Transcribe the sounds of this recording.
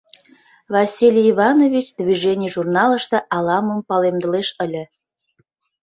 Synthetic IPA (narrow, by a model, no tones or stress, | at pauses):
vɑsʲilʲiβɑnovʲit͡ɕd̪viʒenʲijʒurnɑləʃt̪ə̆ʔɑlɑmə̆mpɑlemd̪əleʃəlʲə̆